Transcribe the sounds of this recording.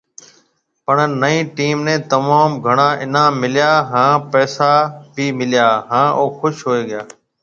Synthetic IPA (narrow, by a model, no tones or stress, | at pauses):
pəɳnəĩːʈiːmnẽːt̪əmaːmɡʱəɳ̃ãːʔɪnãːmːɪlɪjaːɦãːpɛːsaːbʱiːmɪlɪjaːɦãːʔoːxʊʃɦoːeːɠɪjaː